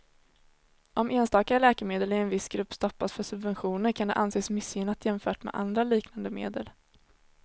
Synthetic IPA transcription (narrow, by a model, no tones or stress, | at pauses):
ʔɔmeːnst̪ɑːkaɾəlɛːkəmeːd̪əlɪɛnvɪsɡɾɵpːst̪ɔpːasfœʂɵbvɛnɧuːnəɾkʰand̪ɛ̰ʔanseːsmʏsʏnat̪ʰjɛmfœːʈmɛ̰d̪ʔa̰nd̪ɾaliːknand̪əmḛːd̪əl